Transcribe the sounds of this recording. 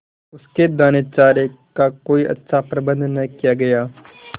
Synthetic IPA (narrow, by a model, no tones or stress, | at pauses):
ʊsked̪aːnet͡ʃaːɾekakoːiʔɐ̰tːʃʰapɾɐbə̃nd̪nɐɦikijaɡɐjaː